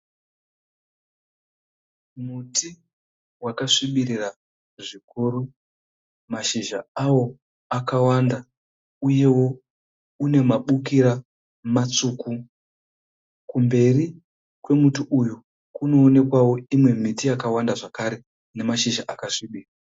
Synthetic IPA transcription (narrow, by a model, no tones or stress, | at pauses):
muti | wakaʂiɓirira | ʐikuːɾu | maʃiʒa̰awo̞ | akawanda | uje̞wo̞ | une̞maɓukiɾa | mat͡suːku | kumbe̞ri | kwe̞mutiʔuju | kuno̞ːne̞kwawo̞imwe̞mitijakawandaʐakaɾe̞ | ne̞maʃiʒaʔakaʂiɓiːra